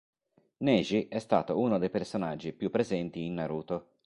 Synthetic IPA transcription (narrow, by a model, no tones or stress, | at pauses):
nɛːʒiʔɛst̪a̰ːt̪ounod̪ejpersonad͡ʒːipjupːɾezɛnt̪iːnːaɾuːt̪o